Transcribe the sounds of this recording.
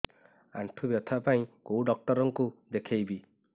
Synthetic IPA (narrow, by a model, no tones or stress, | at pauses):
a̰ɳʈʰubjɔt̪ʰapaĩkowɖɔk̚ʈɔɾɔŋkud̪ekʰejbi